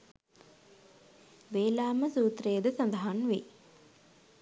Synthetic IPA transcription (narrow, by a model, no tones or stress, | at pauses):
ʋeːlaːməsuːt̪rejːəd̪əsand̪əɦanʋe